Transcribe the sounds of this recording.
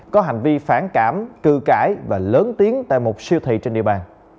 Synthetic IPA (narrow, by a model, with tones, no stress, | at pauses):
kɔ˨˦ɦa˨˩jŋ̟vi˧faː˧˩nkaː˧˩mkɨ˧˩kaː˧˩jvaː˨˩ləː˨˦nt̪i˨˦ənt̪a̰ː˧˨jmo˨˩t̚si˧əwt̪ʰḭ˧˨t͡ɕe˧nɗḭ˧˨əɓaː˨˩n